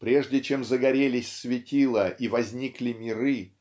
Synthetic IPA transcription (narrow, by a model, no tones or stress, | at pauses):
pɾʲeʐdʲɪt͡ɕe̞mzəɡɐɾʲelʲɪsʲsvʲɪtʲilˠəʔivɐzʲnʲiklʲɪmʲɪɾɨ